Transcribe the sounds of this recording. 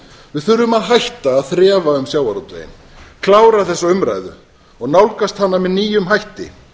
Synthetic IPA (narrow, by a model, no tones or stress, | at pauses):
vɪðθʏɾðʏmaðɦajht̪aːðθɾɛːvaʏmsjaːwaɾut̪vḛjɪ̰n | kʰlaːwɾaθɛsːaʏmɾa̰jðʏ̰ | ɔɣnawlkast̪hanːamɛðniːjʏmɦajht̪ɪ̰